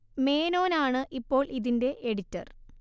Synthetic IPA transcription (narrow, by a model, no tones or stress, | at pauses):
me̞ːno̞ːnaːɳɨʔipːo̞ːɭʔiðinde̞ʔeɽitːɐ̰r